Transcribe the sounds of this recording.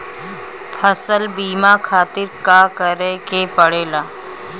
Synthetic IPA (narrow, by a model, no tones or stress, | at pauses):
pʰəsəlbiːmakʰaːt̪ɪɾkaːkəɾekepəɽeːlaː